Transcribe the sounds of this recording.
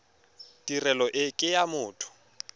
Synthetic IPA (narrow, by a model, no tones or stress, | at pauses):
tʼirɛlɔʔɪkʼɪjamʊːtʰʊ̥